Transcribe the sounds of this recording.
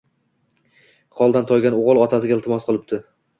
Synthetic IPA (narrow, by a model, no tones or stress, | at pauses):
χɒlˠd̪ant̪ʰɒjɡʲanoʁɨlˠɒt̪ʰas̬ɪɡʲaɪlˠt̪ʰɪmɒsqʰɨlˠɪp̚t̪ʰɪ